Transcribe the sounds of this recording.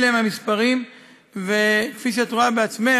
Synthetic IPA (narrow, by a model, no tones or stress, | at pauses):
leemhamispaʁim | vekfiʃ̬eat̪oʁabeat͡sme